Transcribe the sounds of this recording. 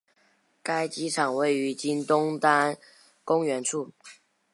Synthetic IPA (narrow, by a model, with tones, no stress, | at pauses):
ka˥ɪt͡ɕi˥ʈ͡ʂʰɑ˨˩ŋwe˥˩ɪy˧˥t͡ɕi˥nt̪ʊ˥ŋt̪a˥n | kʊ˥ŋɥɛ˧˥nʈ͡ʂʰu˥˩